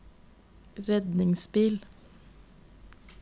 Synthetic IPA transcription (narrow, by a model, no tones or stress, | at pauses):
ɾɛd̪nɪŋsbiːl